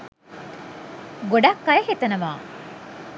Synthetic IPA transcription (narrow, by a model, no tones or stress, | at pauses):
ɡoɖakːɐjehet̪ɐnɐmaː